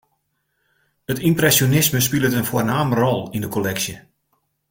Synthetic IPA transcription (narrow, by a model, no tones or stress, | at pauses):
ətimprɛsjonɪsməs̬pilˠətənfoərnaːmərɔlˠindəkʰolɛksjə